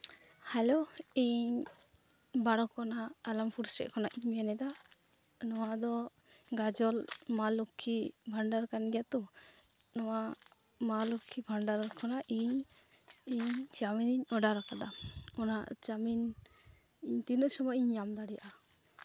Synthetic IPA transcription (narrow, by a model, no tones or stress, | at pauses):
hɛloiɲ | baɽɔkɔnaːlampʰuɾsɾɛ̰ʔkʰɔnaʔiɲmɛnɛd̪a | nɔwad̪ɔ | ɡad͡ʒɔlmalukʰːibʱaɳɖaɾkanɡɛjat̪ɔ | nɔwa | malukʰibʱaɳɖaɾkʰɔnaʔiɲ | iɲd͡ʒaminiɲɔɖaɾakad̪aɔnaʔt͡ʃamin | iɲt̪inəʔsɔmɔjiɲːamd̪aɽijaʔa